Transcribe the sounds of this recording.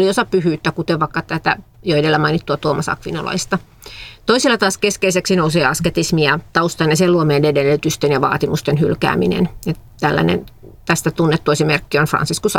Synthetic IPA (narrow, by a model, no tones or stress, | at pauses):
liosɑpyhyːt̪ːækut̪eʋʋɑikːɑt̪æt̪æjoedelːæmɑinit̪ːuɑt̪uomɑsɑ̰kʋino̰lɑ̰ist̪ɑ | t̪oisilːɑt̪ɑːskeskeiseksinouseːɑsket̪ismiɑt̪ɑust̪ɑneseluomeːndedelyt̪yst̪enjɑʋɑ̰ːt̪imust̪enhylkæ̰ːminḛnet̪ælːæ̰nḛnt̪æst̪æt̪unːet̪ːoisimerkːionfrɑ̰nsiskus